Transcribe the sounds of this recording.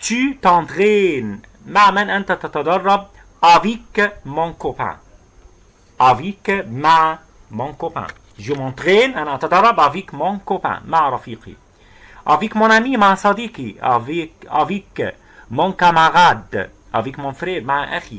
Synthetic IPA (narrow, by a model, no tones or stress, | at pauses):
t̪yt̪ɑ̃t̪ʁɛn | maʕmɛnʔant̪at̪at̪ad̪ɑrˤːɑb̚ | ʔavikmɔ̃kɔpɛ̰̃ | ʔavikmaʕ | mɔ̃kɔpɛ̰̃ | ʒəmɑ̃t̪ʁɛːnanat̪ad̪ɑrˤːɑbavikmɔ̃kɔpɛ̰̃maʕɾˤɑfiːqḭ | ʔavikmɔ̃namimaʕsɑd̪iːkia̰va̰vik | mɔ̃kamaʁad̪ | ʔa̰vɛkmɔ̃fɾɛːɾmaʕʔaxi